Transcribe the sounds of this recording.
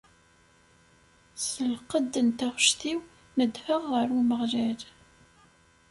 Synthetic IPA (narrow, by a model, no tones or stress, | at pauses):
səlqəd̪ːənt̪æʁʃθiw | nəd̪həʁːəɾuməʁʒæl